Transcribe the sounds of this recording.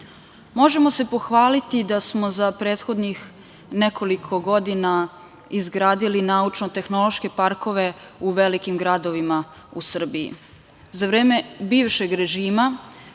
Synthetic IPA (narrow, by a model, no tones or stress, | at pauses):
mo̞ʒe̞mo̞se̞po̞xʋaːlit̪id̪asmo̞zapɾeːt̪xo̞d̪nix | ne̞kʰo̞likʰo̞ɡo̞d̪ina | izɡɾaːd̪ilinaut͡ʃno̞t̪e̞xno̞lo̞ʃke̞paɾko̞ʋe̞ | uʋe̞likimɡɾad̪o̞ʋima | usr̩biḭ | zaʋɾe̞ːme̞biːʋʃe̞ɡɾe̞ʒiːma